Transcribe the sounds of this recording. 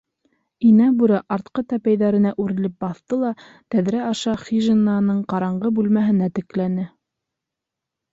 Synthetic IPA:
inæbuɾɑʔɑɾt̪qɤt̪æpæjðæɾɘ̆næʔʉɾɘ̆lɘp̚bɑθt̪ɤlˠɑ | t̪æðɾæɑʃɑχiʒenɑnɤɴqɑɾɑɴɢɤbʉlmæɦɘ̆næt̪ɘ̆klænɘ

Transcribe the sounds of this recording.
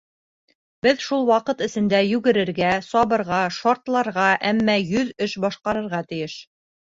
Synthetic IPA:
bɘðʃulˠwɑqɤt̪ɘ̆sɘ̆nd̪æjʉɡɘ̆ɾɘ̆ɾɡæsɑβɤ̆ɾʁɑʃɑɾt̪lˠɑɾʁɑʔæmːæjɵðɵʃbɒʃqɑɾɤ̆ɾʁɑt̪ɘ̆jɘʃ

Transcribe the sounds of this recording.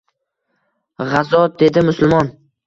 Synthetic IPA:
ʁɑzɒd̪e̞d̪ɪmʊsʊlˠmɒn

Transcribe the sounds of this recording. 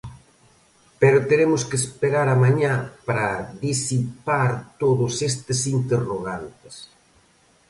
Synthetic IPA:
peɾʊt̪eɾemʊskespeɾaɾamaɲapɾɐðisipaɾt̪oðʊsest̪ɪsint̪eroɣant̪ɪ̥s

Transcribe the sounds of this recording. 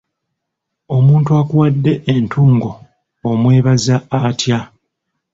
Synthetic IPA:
o̞muːntuakuwadːe̞ʔentʰuːŋɡo̞ː | mwe̞ːβazaatja

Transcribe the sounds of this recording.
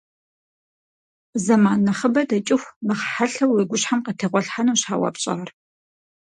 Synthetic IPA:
zɐmaːnːɐχəbɐdɐt͡ʃʼɪxʷmɨχħaɬɐweːɡʷʊɕħamqətʰeːʁʷɔɬħanuːɕħaːwɐ̰pɕʼɐ̰ʁr

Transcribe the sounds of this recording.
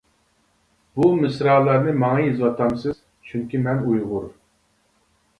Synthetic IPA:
bumɨsɾɑlˠɑɾnɨmɑŋɑjizwɑt̪ɑmsɨz̥ | t͡ʃʰyŋkʲimɛnujʁʊɾ

